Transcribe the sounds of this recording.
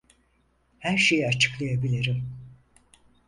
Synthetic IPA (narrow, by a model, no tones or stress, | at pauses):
hæɾʃe̞jiat͡ʃʰɯ̥klˠajabilʲiɾim